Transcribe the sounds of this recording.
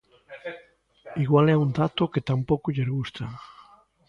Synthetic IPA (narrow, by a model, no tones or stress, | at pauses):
iɣwalɛund̪at̪oket̪ampokuʎeɾɣust̪a